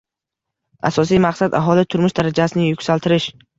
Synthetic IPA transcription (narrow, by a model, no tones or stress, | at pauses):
a̰sɒs̬ijmaqsad̪aɦɒlɪt̪ʰʊɾmʊʃd̪aɾad͡ʒasɪnɪjʊkʲsalˠt̪ʰɪɾɪʃ